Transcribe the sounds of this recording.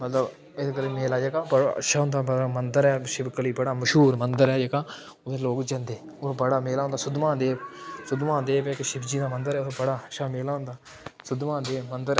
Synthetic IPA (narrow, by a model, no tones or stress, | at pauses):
mət̪ləb | ɪsːkəɾeːmeːlaːd͡ʒekaːbəɽa̰ə̰ʃaːɦʊ̃nd̪aːbəamənd̪əɾɛːʃɪbkəliːbəɽaːməʃɦuːɾmənd̪əɾɛːd͡ʒekaː | ʊd̪eːloːkd͡ʒənd̪eː | ʊbəɽaːmeːlaːʊ̃nd̪aːsʊd̪mãːd̪eːsʊd̪mãːd̪eːbekʃɪbd͡ʒiːd̪aːmənd̪əɾɛːʊtːbəɽaːəʃaːmeːlaːɦʊ̃nd̪aː | sʊd̪mãːd̪eːmənd̪əɾ